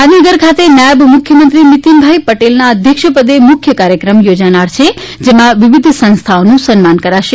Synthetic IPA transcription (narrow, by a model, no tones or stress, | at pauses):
ɦad̪ʱinəɡəɾkʰat̪enjajəbmukʰjəmənt̪ɾinit̪imbʱajpəʈelnaəd̪ʱjəkʃəpəd̪emukʰjəkaɾjəkɾəmjod͡ʒanaɾt͡ʃʰe | d͡ʒemãʋiʋid̪ʱsə̃nst̪ʰaonũsənmankəɾaʃe